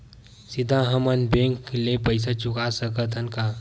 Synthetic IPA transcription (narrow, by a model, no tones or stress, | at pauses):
sid̪ʱãɦəmənbẽŋklepəjs̬at͡ʃʊkasəkət̪ʰənka